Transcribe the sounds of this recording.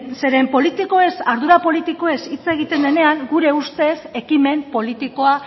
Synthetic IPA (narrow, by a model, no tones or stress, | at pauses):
se̞ɾe̞mpo̞lit̪iko̞e̞saɾðuɾapo̞lit̪iko̞e̞sit͡se̞ɣ̞it̪e̞nd̪e̞ne̞aŋɡuɾe̞ust̪e̞se̞kime̞mpo̞lit̪iko̞a